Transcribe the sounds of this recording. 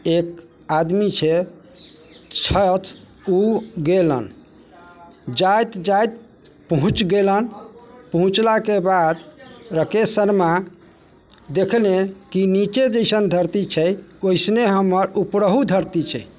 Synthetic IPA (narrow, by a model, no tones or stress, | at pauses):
ek̚ | ad̪mit͡ʃʰɛ | t͡ʃʰət̪ | uɡelə̰n | d͡ʒajt̪d͡ʒajt̪̚ | pəɦũt͡ʃɡelənpəɦũt͡ʃlakebad̪ɾəkesənma | d̪ekʰlekinit͡ʃed͡ʒəjsənd̪ʱəɾt̪it͡ʃʰɛoisneɦəməɾupɾəɦud̪ʱəɾt̪it͡ʃʰɛ̰